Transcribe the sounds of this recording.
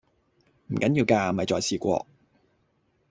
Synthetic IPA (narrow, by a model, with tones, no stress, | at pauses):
m̩˨˩kɐ˨˥njiː˧wkaː˧˨mɐ˨jt͡sɔː˨jsʰiː˧kʷɔ̰ː˧